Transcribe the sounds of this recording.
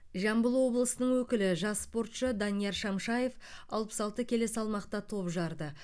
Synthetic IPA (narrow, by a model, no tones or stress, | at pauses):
ʒɑmbəlˠwo̞blˠəsənəɴwɵkʲɪlɪʒɑsːpo̞ɾt̪ʃəd̪ɑnijɑɾʃɑmʃɑje̞fɑ̰lˠpə̥sɑlˠt̪əkʲʰe̞le̞sɑlˠmɑqt̪ɑt̪ʰo̞pʒɑɾd̪ə